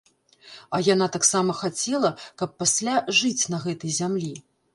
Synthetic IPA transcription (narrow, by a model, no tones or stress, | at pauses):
ɐjanat̪aksamɐxat͡sʲɛlˠɐkɐpːasʲlʲaʐɨt͡sʲn̪ɐɣɛt̪ɐjzʲamlʲi